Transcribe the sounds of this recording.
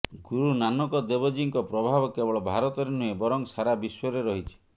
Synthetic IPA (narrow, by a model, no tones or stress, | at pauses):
ɡuɾunanɔkɔd̪ebɔd͡ʒiŋkɔpɾɔbʱabɔkebɔɭɔbʱaɾɔt̪ɔɾenuebɔɾɔŋsaɾabiswɔɾeɾɔɦit͡ʃʰi̥